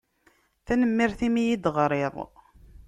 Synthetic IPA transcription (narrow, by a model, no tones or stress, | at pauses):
θænəmːɪɾθimijid̪ʁɾˤeðˤ